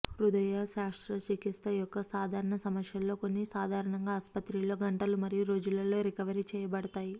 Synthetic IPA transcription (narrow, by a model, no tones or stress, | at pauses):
ɾud̪ɐjaːʃaːʂɾɐt͡ʃikist̪ɐijɔkːɐsaːd̪ʱaːɾɐɳɐsɐmɐsjɐlːo̞ːko̞nːisaːd̪ʱaːɾɐɳɐŋɡaːspɐt̪ɾilo̞ːɡɐɳʈɐlumɐɾijuɾo̞ːd͡ʒulɐlo̞ːɾikɐʋɐɾit͡ʃɛːjɐbɐɽɐt̪aːji